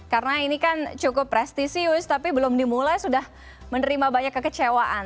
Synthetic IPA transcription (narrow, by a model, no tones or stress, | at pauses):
karənainikant͡ʃukʊpːɾɛst̪isiʊst̪apibəlʊmdimulajsudah | mənəɾimabaɲakːəkət͡ʃewaʔan